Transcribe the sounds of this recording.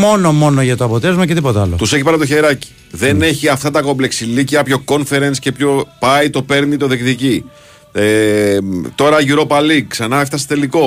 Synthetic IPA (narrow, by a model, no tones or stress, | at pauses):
monomo̞noʝɐt̪oɐpot̪ezmɐcet̪ipo̞t̪eɐlot̪useçipɐɾnɐt̪oçeɾɐci̥ | ðene̞çiɐft̪ɐt̪ɐko̞ble̞ksiliciɐpço̞ko̞nfe̞ɾensce̞pço̞pɐit̪o̞pe̞ɾnit̪o̞ðikt̪ici | e | t̪o̞ɾɐʝuɾo̞pɐliksɐnɐft̪ɐsi̥t̪e̞liko̞